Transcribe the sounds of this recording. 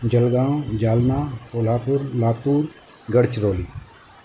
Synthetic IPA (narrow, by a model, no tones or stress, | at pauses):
d͡ʒɐlɡãːd͡ʒaːlnaːpoːlaːpʊɾlaːt̪uːɾ | ɡɐɽt͡ʃɾoːliː